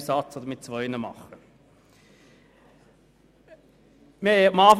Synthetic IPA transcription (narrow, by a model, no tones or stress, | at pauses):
sɑt͡sod̪əɾmɪt̚t͡svɔɪnəmɑ̰χə | mɪɛɑmɑːf